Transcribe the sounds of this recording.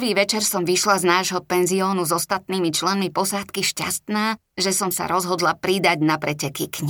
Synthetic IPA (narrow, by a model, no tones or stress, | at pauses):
ʋiːʋɛt͡ʃɛɾsɔmʋiʃlaznaːʒɦɔpɛnziɔːnuzɔst̪at̪̚niːmit͡ʃlɛnmipɔsaːt̪kiʃca̰st̪naː | ʒɛsɔmsa̰ɾɔzɦɔd̪lapɾid̪aɟnapɾɛcɛkikɲ